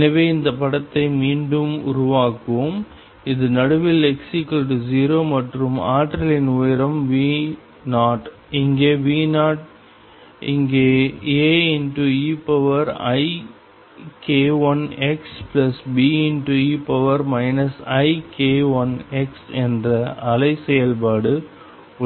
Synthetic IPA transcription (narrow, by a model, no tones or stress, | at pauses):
ɛnɐʋeːɪnd̪ɐpɐɽɐt̪ːɐɪmiːɳɖɯmʊ̰ɾʊʋaːkɯʋom | ɪðɯnɐɽɯʋɪlɛksikɐlʈziːɾoːmɐʈrɯma̰ːʈɾɐlɪnʊjɪɾɐmʋiː | naːʈ | ɪŋɡeːʋiːnaːʈ̚ | ɪ̰ŋɡeːeːɪnʈuiːpɐʋɐɾɐ̰ɪ | keːʋɐnɛksplɐsbiːɪnʈuiːpɐʋɐɾmɐɪnɐsɐɪkeːʋɐnɛksɛndrɐɐlɐɪsɛjɐlpaːɽɯ